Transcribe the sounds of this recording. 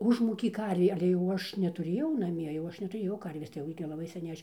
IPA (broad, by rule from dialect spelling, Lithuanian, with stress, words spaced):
ˈʊʒmuːkʲeː ˈkɐrʲʋʲeː ɐlʲɛ ˈɐʃ jɛʊ nʲɛtʊˈrʲeːjɛʊ nɐˈmʲiɛ jɛʊ ˈɐʃ nʲɛtʊˈrʲeːjɛʊ ˈkɐrʲʋʲeːs tɐɪ ˈjɛʊ ɡʲɪ lˠɐˈbɐɪ sʲɛˈnʲɛɪ ˈɐʃ